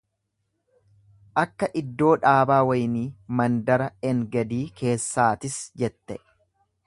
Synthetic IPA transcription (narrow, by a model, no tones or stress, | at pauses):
ʔɐkːɐʔɪd̪ːo̞ːᶑaːbaːwɐjniːmɐnd̪ɐɾɐɛŋɡɐd̪iːkʰe̞ːsːaːt̪ɪsd͡ʒɛt̪ːɛ